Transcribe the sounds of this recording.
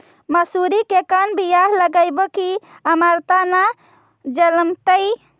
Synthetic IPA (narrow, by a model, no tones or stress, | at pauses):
məsuɾikekənbijaɦləɡəjboki | əmaɾt̪ana | d͡ʒələmt̪əj